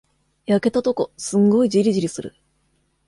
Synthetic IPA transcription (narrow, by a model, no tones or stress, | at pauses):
jake̞t̪at̪o̞ko̞sɨ̃ŋɡo̞id͡ʑiɾʲiʑiɾʲisɨɾɯ̰